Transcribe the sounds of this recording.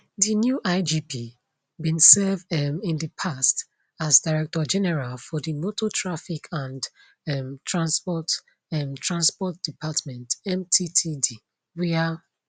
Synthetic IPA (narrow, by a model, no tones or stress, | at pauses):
dinjuʔaɪd͡ʒipi | bĩnsɛvdɛmĩndəpʰast | azdaɪɹɛk̚tɔd͡ʒɛnɛɹalfɔdimotʰotʰɹafikʰãn | ɛmtʰɹãnspɔt | ɛmtʰɹãnspɔt̚d̥ipʰatmɛ̃ntɛ̃mtʰitʰidi | wia